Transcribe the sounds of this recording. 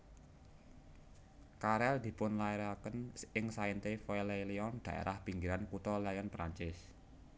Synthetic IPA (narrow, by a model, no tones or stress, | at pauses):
kaɾɛld̪̥i̤pʊnlaiɾakənɪŋsaint̪efɔeleliɔnd̪̥ä̤ʔḛɾʔahpiŋɡiɾankut̪ɔlajɔnpɾaɲt͡ʃɪs